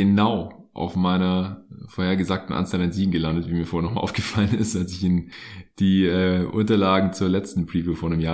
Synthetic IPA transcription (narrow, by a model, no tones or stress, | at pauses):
ənaʊ | ʔa̰ʊfmaɪnɐfoːɐheːɐɡəzaːk̚tn̩ʔa̰nt͡sanɛnz̥iːɡŋ̩ɡəlandətviːmiːɐoːeɐnɔχmaʔa̰ʊɡ̥əfalənɪstalsɪçiːnd̥iːɛːʔʊ̰ntɐlaːɡŋ̩t͡suːɐlɛt͡stn̩pʁ̥iːvjufoːɐnəmjaː